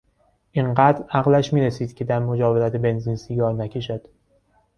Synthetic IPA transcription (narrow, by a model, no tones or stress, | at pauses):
ʔiŋɢæːd̪ɾæɣlæʃmiːɾesiːd̪̥̚cʰe̞d̪æɾmo̞d͡ʒɒːveɾæt̪ʰebe̞nziːnsiɡɒːɾnæcʰe̞ʃæd̪̥